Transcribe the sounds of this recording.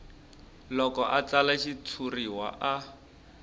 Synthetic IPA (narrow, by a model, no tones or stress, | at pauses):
lɔkɔʔat͡salaʃit͡sʰuriwa̰ʔa